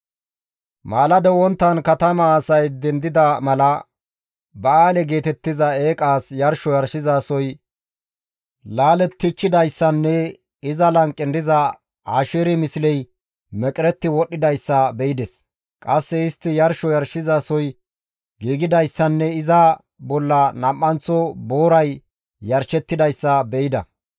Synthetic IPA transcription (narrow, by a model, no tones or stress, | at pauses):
maːlɐd̪ɛwɔnt̪ːɐnkɐt̪ɐmɐːsɐjd̪ɛnd̪ɪd̪ɐmɐlɐ | bɐaːlɛɡe̞ːt̪ɛt̪ːɪzɐeːkʼaːsjɐɾʃɔjɐɾʃɪzasɔj | laːlɛt̪ːɪt͡ʃːɪd̪ɐjsːɐnːɛ | ɪzɐlɐŋkʼːɪnd̪ɪzɐ | aːʃeɾɪmɪsɪlɛj | mɛkʼɪɾɛt̪ːɪwɔɗːɪd̪ɐjsːɐbɛɪd̪ɛs | kʼɐsːɛɪst̪ːɪjɐɾʃɔjɐɾʃɪzaːsɔj | ɡiːɡɪd̪ɐjsːɐnːɛɪzɐ | bɔlːɐnɐmʔʼːɐnt͡sɔboːɾɐj | jɐɾʃɛt̪ːɪd̪ɐjsːɐbɛɪd̪ɐ̰